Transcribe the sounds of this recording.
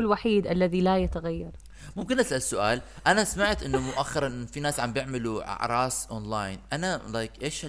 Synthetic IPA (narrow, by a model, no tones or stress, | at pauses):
lwaħiːd̪ʔalːaðilajat̪aɣajːɑɾˤ | mʊmkɪnʔasʔalsʊʔaːl | ʔanasmaʕt̪ʔɪnːʊmʊʔaxːɑɾˤɑnʔɪnːfinaːsʕambjɪʕmɪluʕa̰ʕɾˤɑːsʔonlaːjnʔanalajkʔeːʃa